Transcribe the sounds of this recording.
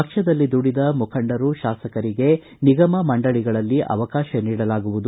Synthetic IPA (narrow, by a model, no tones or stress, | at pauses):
ɐkʂɐd̪ɐlːid̪uɽid̪ɐmukʰɐɳɖɐɾuʃaːsɐkɐɾiɡe̞ | niɡɐmɐmɐɳɖɐɭiɡɐɭɐlːiʔɐ̰ʋɐkaːʃɐniːɽɐlaːɡuʋud̪u